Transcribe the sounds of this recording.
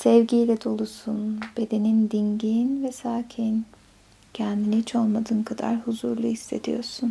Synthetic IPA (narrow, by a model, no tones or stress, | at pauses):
sɛvɟijlʲɛd̪o̞lˠusunb̥e̞d̪e̞nind̪iɲɟiːnvɛsaːcʰin | cʰænd̪inihit͡ʃʰo̞lˠmad̪ɯːnkʰad̪a̰ɾhuzuɾlˠuhisːe̞̰d̪ḭjo̞̰ɾsun